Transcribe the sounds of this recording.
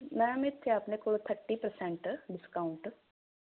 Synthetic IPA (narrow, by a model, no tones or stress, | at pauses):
mɛ̃ɐmet̪ʰːeapnekʊɽt̪ʰəɾʈipəɾsẽɳʈɖɪskaʊɳʈ